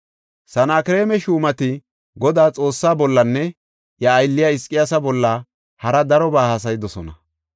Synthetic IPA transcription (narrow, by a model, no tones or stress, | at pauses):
sɐnaːkɪɾe̞ːmɛʃuːmɐt̪ɪ | ɡɔd̪aːt͡sʼo̞ːsːaːbɔlːɐnːɛ | jɐːjlːɪjɐɪskʼɪjasɐbɔlːɐ | hɐɾɐd̪ɐɾɔbaːhɐs̬ɐjɪd̪ɔsɔnɐ